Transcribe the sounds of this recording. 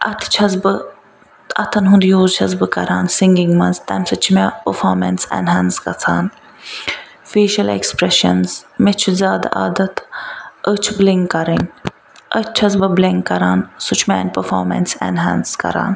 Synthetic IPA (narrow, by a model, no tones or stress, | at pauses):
ʔɐt̪ʰt͡ʃʰɐzbɨ | ɐt̪ʰɐnɦũnd̪juːzt͡ʃʰɐzbɨkɐ̰ɾaːnsiŋɡiŋɡmɐnzt̪ɐnsɨt͡ʃʰimepəfoːɾmɐnsɛ̰nɦɐnskɐt͡sʰaːn | feːʃɐlḛkspɾeʃɐ̰nzmet͡ʃʰuzaːd̪a̰ʔa̰ːd̪ɐt̪ət͡ʃʰbliŋɡkɐɾinʲ | ʔət͡ʃt͡ʃʰɐzbɐbleŋɡkɐɾaːnsut͡ʃʰmɛ̰ːnʲpəfoːmɐ̰nsɛ̰nɦɛnskɐ̰ɾa̰ːn